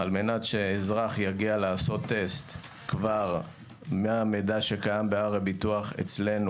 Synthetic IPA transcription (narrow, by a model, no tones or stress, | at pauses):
alme̞natʃeːzʁaχjaɡialaaːso̞t̪ːe̞st̪ | kvaʁ | meamed̪aʃe̞kajambeaʁebituaχḛt͡sle̞nu